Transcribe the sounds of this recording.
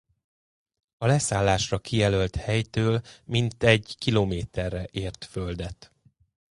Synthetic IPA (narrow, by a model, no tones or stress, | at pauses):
ɒlɛsaːlːaːʃrɒkijɛlølt̪hɛjt̪øːlmint̪ɛɟkilomeːt̪ɛrːɛʔeːrt̪føld̪ɛt̪